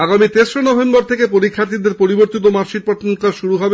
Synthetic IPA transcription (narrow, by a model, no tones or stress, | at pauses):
aɡamit̪eʃɾonɔbʱembɔɾt̪ʰekepoɾikʰːat̪id̪eɾpoɾiboɾt̪it̪̬omaɾʃiɾpɔʈ̪nkaʃuɾuɦɔbe